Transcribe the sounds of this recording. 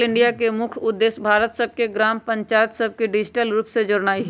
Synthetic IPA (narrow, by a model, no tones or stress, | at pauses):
lɪ̃ɳɖijakemʊkʰʊd̪ːeːsbʱaːɾət̪səb̚ʱkeɡɾaːmpə̃ɲt͡ʃaːjət̪səb̚ʱkeɖɪd͡ʒʈəlɾuːpsed͡ʒʊɾnaːiɦ